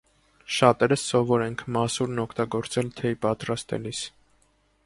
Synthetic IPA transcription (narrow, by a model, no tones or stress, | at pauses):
ʃɑt̪ɛɾəsːɔvɔɾɛŋkʰmɑsuɾnɔkʰt̪ɑɡɔɾt͡sɛlt̪ʰɛipɑt̪ɾɑst̪ɛ̰lis